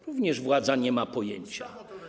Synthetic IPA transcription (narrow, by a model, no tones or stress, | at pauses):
ɾuvɲɛʐvwad̪zaɲɛmapɔjḛɲt͡ɕa